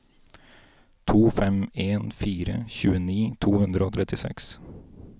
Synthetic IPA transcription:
t̪ʰuːfɛmeːnfiːɾə̰çʉːəniːt̪ʰuːhʉnd̪ɾəoːt̪ʰɾɛt̪ɪsɛ̰ks

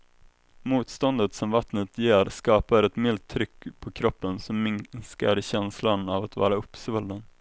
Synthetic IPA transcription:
muːt̪st̪ɔnd̪ət̪sɔmvat̪nət̪jeːɾskɑːpaɾɛt̪mɪlt̪ʰːɾʏkːpʰɔkʰɾɔpːənsɔmːɪnska̰ɾɕɛnslanavat̪vɑ̰ːɾaɵpːsvɵld̪ən

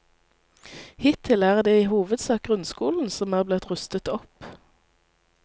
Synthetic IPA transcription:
hɪt̪ʰɪlæːʁd̪eːiːhuːʋəd̪sɑːk̚ɡʁʉnskuːln̩sɔmæːʁblɪt̪ʁʉst̪ət̪ɔp

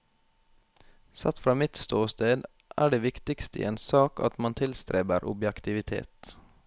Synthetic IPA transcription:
sɑt̪fɾɑːmɪt̪st̪oːst̪eːd̪ | ʔæ̰ːɖeːʋɪkt̪ɪkst̪ḭːeːnsɑːkɑ̰t̪mɑnt̪ʰɪlst̪ɾeːbəɾʔʊ̰bjɛkt̪ɪʋɪt̪ʰḛːt̪

